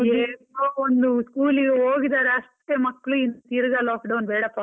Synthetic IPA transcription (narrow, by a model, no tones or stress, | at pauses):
eːoːond̪uskuːliɡeoːɡid̪aːɾeɐʂʈ̪eːmɐkːɭuint̪iɾɐɡɐlaːkɖɐwnbɛːɽɐpɐ